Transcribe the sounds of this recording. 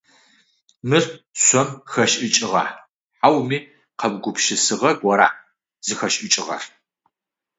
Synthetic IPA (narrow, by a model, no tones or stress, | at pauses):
mɨrɕʷɔmxɐʃʔɨt͡ʃʼɪʁɑ̰ | ħawmiː | qʰɐbɡʷʊpʃɪsɨʁɐɡʷɔɾa̰ː | z̥ɨxɐʃʼʔɪt͡ʃʼɪʁɐ̰r